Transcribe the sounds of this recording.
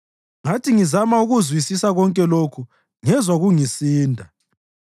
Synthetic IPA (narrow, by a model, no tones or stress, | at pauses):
ŋatʰiŋizamauɣuzwisisaɣɔŋkʼɛlokʰu | ŋɛzwaɣuŋisiːndʱa